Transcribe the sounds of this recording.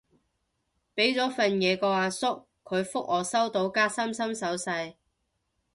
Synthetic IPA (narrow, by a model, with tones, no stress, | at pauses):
pe˨˥jt͡sɔː˨˥fɐ˨njɛː˨˧kɔː˧aː˨˧sʊ˥kʰːɵ˨˧ɥfʊ˥k̚ɔː˨sɐ˥wt̪o˨˥wkaː˥sɐ˥msɐ˥msɐ˨˥wsɐ˧j